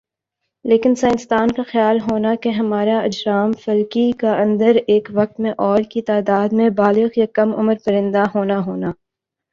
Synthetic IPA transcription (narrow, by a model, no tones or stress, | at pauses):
leːkɪnsaːɪ̃nɪst̪aːnkaxjaːlɦoːnakeɦɐmaːɾaɐd͡ʒɾaːmfɐlkikaɐ̃nd̪əɾeːkʋɐk̚t̪mẽʔɔːɾkit̪aːd̪aːd̪mẽbaːlɪɣjakɐmʊ̰məɾpɐɾɪ̃nd̪aɦoːnaɦoːnaː